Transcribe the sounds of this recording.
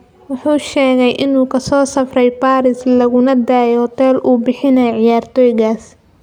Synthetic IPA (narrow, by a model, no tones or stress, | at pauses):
wɑħuːʃɛːɣɛjʔɪnuːkʰɐsɔːsɐfrɛjbaːɾɪslɐɣʊnɐd̪aːjhɔt̪ʰɛːlʔuːbɪħɪnɛjʕɪjaːrt̪ʰɔːjɪɣaːs